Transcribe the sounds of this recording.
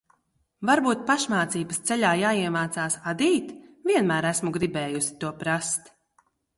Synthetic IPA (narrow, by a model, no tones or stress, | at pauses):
vaɾbuːt̪̚paʃmaːt̪siːbəst̪sɛʎʲaːjaːiɛmaːt̪saːsad̪iːt̪viɛnmæːɾæsmuɡɾibɛːjusi̥t̪uɔpɾast̪